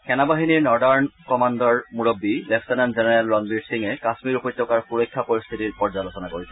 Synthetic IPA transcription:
kɛnabaɦiniɹnɔɹdaɹnkɔmandɔɹmuɹobːilefʰtananzenɛɹalɹɔnbiɹsiŋɛkasmiɹupɔjt̪ːɔkaɹxuɹojkʰːapoɹist̪ʰitiɹpɔɹzalosɔnakoɹisɛ

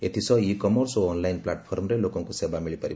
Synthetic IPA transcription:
et̪ʰisɔikɔmɔɾsoːnlajnplaʈpʰoɾmɾelokɔ̃ŋkusebamiɭipəɾi

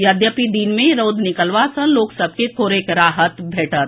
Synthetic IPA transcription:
jaːd̪jəpid̪iːnmẽɾoːd̪ʱnɪkəlʋasə̃loːksəb̚ʱkek̪ʰoːɾekɾaːɦət̪bʱeːʈət̪

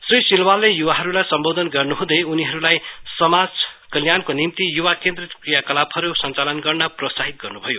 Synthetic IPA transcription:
srisilwalːejuwaɦʌɾulajsʌmbod̪ʱʌnɡʌrnuɦũd̪ʌuniɦʌɾulajsʌmad͡zkʌljankonimt̪ijuwakend̪rʌt̪krijakʌlabʰʌɾusʌnt͡salʌnɡʌrnʌprʌsaɦit̪̚ɡʌrnubʱʌjo

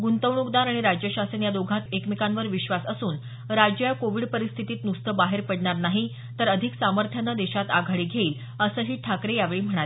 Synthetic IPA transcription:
ɡunt̪əʋɳukd̪aɾaɽ̃iɾad͡ʑjəɕasenjad̪oɡʱat̪ekmikanʋəɾʋiɕʋasəsuːn | ɾad͡ʑjəjakoʋiɖpəɾist̪ʰit̪iːt̪nust̪ʰəbaɦeɾpəɽɳaɾnaɦi | t̪əɾəd̪ʱiksaməɾt̪ʰjanːad̪eɕat̪aɡʱaɭiːɡʱeiːl | əsəːɦiːʈʰakɾejaʋeɭiːm̤əɽ̃at̪

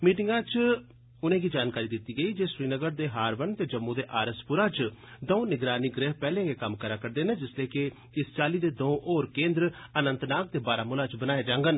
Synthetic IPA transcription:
miːʈɪŋɡãːt͡ʃ | ʊnẽːɡiːd͡ʒaːnkaːɾiːd̪ɪt̪ːiːɡəiːd͡ʒeːsɾiːnəɡəɾd̪eːɦaːɾʋənt̪eːd͡ʒəmːũːd̪eːʔaːɾəspʊɾaːt͡ʃd̪õũːnɪɡɾaːniːɡɾeːɦpɛːlẽːɡeːkəmkəɾaːkəɾd̪eːnẽːd͡ʒɪsleːkɪ | ɪst͡ʃaːliːd̪eːd̪õːʔoːɾkẽːnd̪ɾənənt̪naːk̚t̪eːbaːɾaːmʊlaːt͡ʃbənaːjeːd͡ʒãːŋɡən

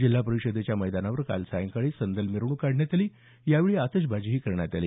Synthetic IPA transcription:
d͡ʑil̤ːapəɾiʂəd̪et͡ɕjaməjd̪anaʋəɾka̰lsajəŋkaɭiːsənd̪əlmiɾuɳ̃uːkaɽ̤ʱɳjat̪aliː | jaʋeɭiːat̪əɕ̬bʱad͡ʑiːɦiːkəɾɳjat̪aliː

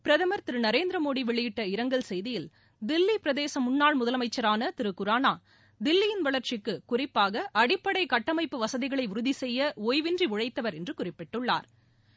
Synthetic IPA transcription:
pɪɾɐðɐmɐɾt̪ɪɾɯnɐɾeːnd̪ɾɐmoːɽiʋɛɭɪjɪʈːɐɪɾɐŋɡɐɭsɛjðɪjɪl | d̪ɪlːipɪɾɐðeːsɐmʊɳːaːɭmʊðɐlɐmɐɪt͡ʃːɐɾaːnɐt̪ɪɾɯkːɯɾaːnaː | d̪ɪlːɪjɪnʋɐɭɐɾt͡ʃɪkːɯkʊrɪpːaːɣɐʔɐɽɪpːɐɽɐɪkɐʈːɐmɐɪpːɯʋɐsɐðɪɣɐɭɐɪʊɾʊðisɛjːɐoːjʋɪndriʊɻɐɪt̪ːɐʋɐɾɛndrɯkʊrɪpːɪʈːɯɭːa̰ːɾ

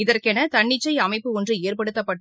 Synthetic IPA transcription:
ɪðɐrkɛnɐt̪ɐɳːɪt͡ʃːɐɪɐmɐɪpːɯɔndrɯeːrpɐɽɯt̪ːɐpːɐʈː

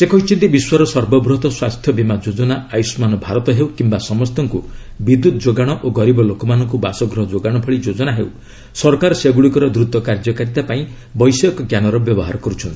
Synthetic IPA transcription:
sekɔɦit͡ʃʰint̪ibiswaɾɔsɔɾbɔbɾɔt̪ɔswast̪ʰjɔbimad͡ʒod͡ʒɔnaajusmanɔbʱaɾɔt̪ɔɦewkimbasɔmɔst̪ɔŋku | bid̪ːut̪ʰɔd͡ʒoɡaɽ̃ɔʔoɡɔɾibɔlokɔmanɔŋk̬ubasɔɡɾɔɦɔd͡ʒoɡaɽ̃ɔpʰɔɭid͡ʒod͡ʒɔnaɦḛw | sɔɾɔkaɾɔseɡuɽikɔɾɔd̪ɾut̪ɔkaɾd͡ʒɔkaɾit̪apaĩ | bɔjsɔkɔɡjanɔɾɔbjɔbɔɦa̰ɾɔkɔɾut͡ʃʰɔnt̪i̥

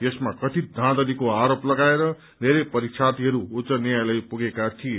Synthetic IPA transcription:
jesmakʌt̪id̪ʱãd̪ʌlikoaɾoplʌɡaeɾʌ | neɾʌpʌɾikt͡ʃʰat̪iɦʌɾuːtsʌnjajlʌjpuɡekat̪ʰie

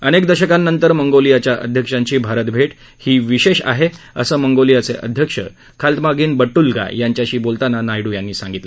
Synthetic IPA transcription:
ənekd̪əɕəkanːənt̪əɾməŋɡolijat͡ɕjaʔə̰d̪ʱjəkʂãɲt͡ɕiːbʱaɾət̪bʱeʈ | hiːʋiɕeɕa̰ɦe | əsəːməŋɡolijat͡seʔə̰d̪ʱjəkʂə̰ | kʰalt̪maɡiːnbəʈːulɡa̰jaɲt͡ɕjaɕiːbolt̪ananajɽuːjanːiːsãŋɡit̪lə

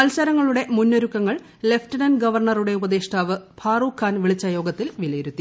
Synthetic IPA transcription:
ɐlsɐɾɐŋːɐɭuɽe̞munːo̞ɾukːɐŋːɐɭ | le̞ftɐnɐnɡɐʋɐrɳɐruɽe̞ubɐd̪eːʂʈ̪ʰaːʋɨbʰʱaːruːkʰːaːnʋiɭit͡ɕːɐjo̞ːɡɐt̪ːilʋilɐjiɾut̪ːi

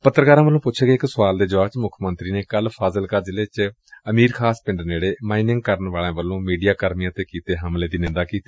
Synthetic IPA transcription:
pət̪ːəɾkaːɾãːʋəlõːpʊːt͡ʃʰeːkeɪksʊʋaːld̪eːd͡ʒʋaːʋt͡ʃmʊkʰmənt̪ɾiːneːkəlpʰaːzəlkaːd͡ʒɪleːt͡ʃ | əmiːɾkʰaːspɪ̃ɳɖneːɽeːmaːiːnɪŋɡ̚kəɾənʋaːɭãːʋəlːõːmiːɖijaːkəɾmijãːt̪eːkiːt̪eːɦəmleːd̪iːnɪ̃nd̪aːkiːt̪eː

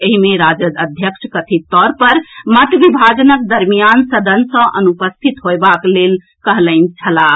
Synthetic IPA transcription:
eɦimeɾad͡ʒəd̪əd̪ʱjəkʃʰkət̪ʰit̪ɔɾpəɾmət̪bibʱad͡ʒənək̚d̪əɾmijansəd̪ʱənsə̃ʔənupəst̪ʰit̪ɦoebaklel | kəɦləɪnt͡ʃʰəla

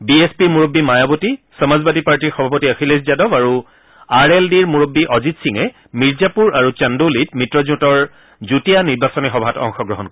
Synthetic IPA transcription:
biespiɹmuɹobːimajabotisɔmazbadipaɹtiɹxɔbʱapɔtiaxileszadɔbaɹu | aɹeldiɹmuɹobːiʔɔzitsiŋɛ | miɹzapuɹaɹut͡ʃandolit̚mitɹɔzʊtɔɹ | zutijaniɹbasɔnixɔbʱatɔ̰ŋxɔɡɹɔɦɔnkɔ

